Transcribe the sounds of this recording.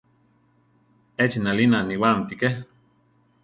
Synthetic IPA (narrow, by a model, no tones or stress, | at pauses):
et͡ʃinalinaniwamt̪ike